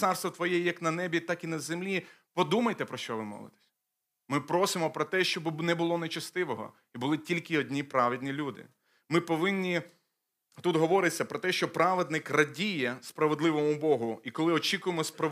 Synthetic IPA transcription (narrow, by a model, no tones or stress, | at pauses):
sɑrst̪ʋɔt̪ʋɔjɛjɐknɐnɛbʲit̪ɑkinɐzemlʲi | pɔd̪umɐjt̪ɛpɾɔʃt͡ʃɔʋɪmɔ̰ʋˠɪ̰t̪e̥sʲ | mɪpɾɔsɪmɔpɾɔt̪ɛʃt͡ʃɔbnɛbʊlˠɔnet͡ʃɐst̪ɪʋɔɦɔ̰ | ibʊlˠɪtʲilʲkɪɔdʲnʲipɾɑʋɪd̪ʲnʲilʲud̪ɪ̰ | mɪpɔʋɪnʲːi | t̪ut̪ɦɔʋɔɾɪt͡sʲːɐpɾɔt̪ɛʃt͡ʃɔpɾɑʋed̪nɪkrɐdʲijɛspɾɐʋed̪lˠɪʋɔmʊbɔɦʊikɔlˠɪɔt͡ʃʲikʊjemɔspɾɐ